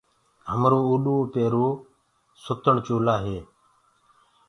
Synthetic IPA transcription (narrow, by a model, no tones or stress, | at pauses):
ɦəmɾuːuːɗuːpeːɾuː | sʊt̪əɳt͡ʃuːlaːɦeː